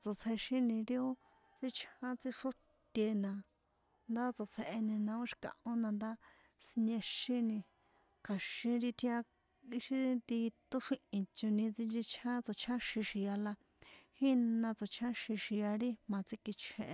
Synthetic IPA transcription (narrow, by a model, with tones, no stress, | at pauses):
t͡so˨t͡sʰe˧ʃĩ˦nĩ˧ɾi˦o˦ | t͡si˦t͡ʃʰã˦t͡si˧ʂo˦ | tt̪ʲe˧nã˧ | nd̪a˦t͡so˨t͡sʰe˧ʔe˧nĩ˧nã˧o˦ʃi̥˧kã̰˨ʔõ˦nã˧nd̪a˦ | si˧ɲẽ˧ʃĩ˦nĩ˧ | kʰa˨ʃĩ˧ɾi˧t̪ʰĩ˧˦ã˧ | i˧ʃi˦t̪i˧t̪o˦ʂĩ˦ʔĩ˧t͡ʃo˧nĩ˧t͡si˧nd͡ʒi˧t͡ʃʰã˦t͡so˨t͡ʃʰa˦ʃĩ˧ʃi˨ja˧la˧ | hi˦nã˧t͡so˨t͡ʃʰã˦ʃĩ˧ʃi˨ja˧ɾi˦mã˧t͡si˧ki˧t͡ʃʰẽ˧ʔ